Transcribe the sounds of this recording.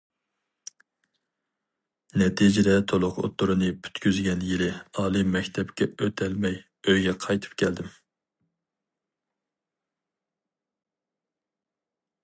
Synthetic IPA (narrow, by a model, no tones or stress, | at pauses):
nɛt̪ʰid͡ʒɪd̪ɛt̪ʰolˠʊqo̰t̪ːuɾɨnɨpʰy̥t̪kʲyzɡʲɛnjilɪɑːlˠɨmɛkʲt̪ʰɛpkʲɛøt̪ʰɛlmɛj | øjɡʲɛqʰɑjt̪ʰɨ̥p̚kʲʰɛld̪ɪm